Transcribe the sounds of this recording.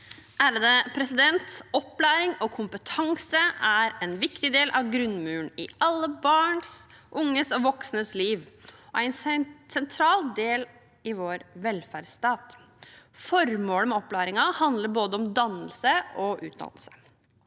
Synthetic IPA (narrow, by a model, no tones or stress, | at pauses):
ʔæːɾəd̪ɛpʰɾɛsɪd̪ɛnt̪sɔpːlæːɾɪŋɔkʰʊmpət̪ʰɑŋsəʔæɾɛnʋɪkt̪ɪd̪eːlʔɑʋɡɾʉnmʉːəɳɪɑlːəbɑːɳs | ʔʊŋːəsɔʋɔksnəsliːʋɔæɪnsɛnt̪ʰɾɑːld̪eːl | ɪʋoːɾʋɛlfæɖst̪ɑːt̪ | fɔɾmoːləmɛɔpːlæːɾɪŋɑhɑnd̪ləɾboːd̪əɔmd̪ɑnəlsəɔʔʉ̰ːt̪̚d̪ɑ̰nəl̩sə̥